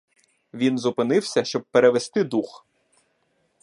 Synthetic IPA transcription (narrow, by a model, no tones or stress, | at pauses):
ʋʲinzʊpɪnɪwsʲɐʃt͡ʃɔb̚peɾeʋest̪ɪd̪ux